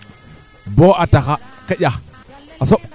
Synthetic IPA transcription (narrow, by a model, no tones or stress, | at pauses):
boataxakajʲa | asoɓ